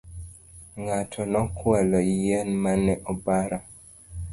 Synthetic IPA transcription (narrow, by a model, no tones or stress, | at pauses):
ŋatʰɔnɔkwalɔijenmanɛʔɔbaɾɔ